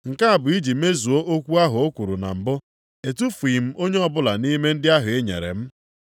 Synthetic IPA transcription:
ŋ̩˨ka˦a˨bʊ˨i˦d͡ʒi˨m̩e˦zu˨o˦ʔo˦kʷu˦a˦ɦʊ˨o˦kʷu˨ɾu˨na̰˨m̩˨bʊ˦ | e˨tu˦fi˨m̩˦o˦ɲe˦ɔ˦bʊ˦la˨ni˦me˦n̩˦dɪ˦a˦ɦʊ˨e˦ɲḛ˨ɾḛ˨m̩˦

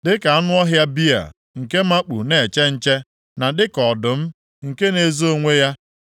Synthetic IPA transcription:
dɪ˦ka˨a˦nʊ˦ɔ˦ɦja˦bi˦a̰˨ | ŋ̩˨ke˦ma˦k͡pṵ˨ne˨e˨t͡ʃe˦n̩˦t͡ʃe˦ | na˨dɪ˦kɔ˨dʊ˨m̩˦ | ŋ̩˨ke˦ne˨zo˦ŋʷe˦ja˦

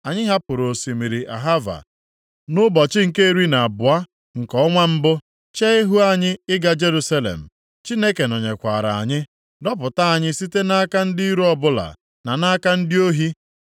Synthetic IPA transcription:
a˨ɲɪ˦ɦa˦pʊ˨ɾo˨si˨mi˨ɾi˨ʔa̰˨ɦa˦va̰˨ | nʊ˦bɔ˨t͡ʃɪ˦ŋ̩˨ke˦e˦˨ɾi˦na˨a˨bʊ˨a˦ | ŋ̩˨kɔ˦ŋʷa˦m̩˦bʊ˦ | t͡ʃe˦e˦ɦu˦a˦˨ɲɪ˦ɪ˦ɡa˨d͡ʒe˦ɾu˦sa˦lḛ˨m̩˨ | t͡ʃi˦ne˦ke˨nɔ˨ɲe˨kʷa˨ɾa̰˨a̰˨ɲɪ˦ | dɔ˦pʊ˨ta˦a˨ɲɪ˦si˦te˦na˦ka˦n̩˦dɪ˦i˦ɾu˦ɔ˦bʊ˦la̰˨ | na˨na˦ka˦n̩˦dɪ˦o˦ɦi˦

